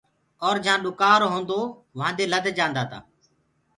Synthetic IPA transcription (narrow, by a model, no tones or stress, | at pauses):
ɔːɾd͡ʒãːɗʊkaːɾɦõːnd̪oː | ʋãːnd̪eːləd̪ʱd͡ʒãːnd̪aːt̪a̰ː